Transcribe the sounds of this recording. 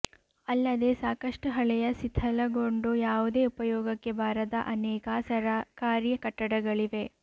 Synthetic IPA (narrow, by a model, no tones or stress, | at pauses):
ɐlːɐd̪e̞saːkɐʂʈuɦɐɭɛjɐsit̪ʰːɐlɐɡo̞ɳɖujaːʋud̪e̞ːupɐjɔːɡɐkːe̞bʱaːɾɐd̪ɐʔɐnɛːkaːsɐɾakaːɾjɐkɐʈːɐɽɐɡɐɭiʋe̞